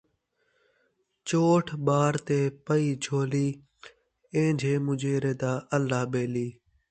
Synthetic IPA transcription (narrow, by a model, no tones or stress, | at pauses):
t͡ʃoːʈʰɓaːɾt̪eːpəiːd͡ʒʰʱoːliː | ẽːd͡ʒʱeːmʊd͡ʒʱeːɾeːd̪aːəlːaːbeːliː